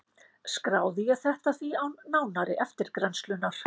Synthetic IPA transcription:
skɾaːwðɪjɛθɛht̪aθviawnaːwnaɾɪʔɛft̪ɪɾkɾɛnst̪lʏnaɾ̥

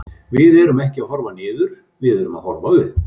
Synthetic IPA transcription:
vɪðɛɾʏmɛhcɪaðhɔɾvanɪːðʏɾ̥ | vɪðɛɾʏma̰ðhɔɾvaʏð

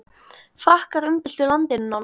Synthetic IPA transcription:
fɾahkaɾʏmpɪl̥t̪ʏlant̪ɪnʏnawn

